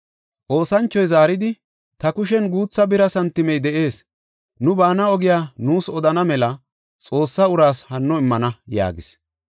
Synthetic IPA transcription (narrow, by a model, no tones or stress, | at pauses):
ʔo̞ːsɐnt͡ʃːɔjzaːɾɪd̪ɪ | t̪ɐkʊʃ̬ɛnɡuːt͡sːɐbɪɾɐsɐnt̪ːɪmɛjd̪ɛʔe̞ːs | nʊbaːnɐɔɡɪjaːnuːsɔd̪ɐnɐmɛlɐ | t͡sʼo̞ːsːɐʊɾaːshɐnːɔɪmːɐnɐja̰ːɡɪs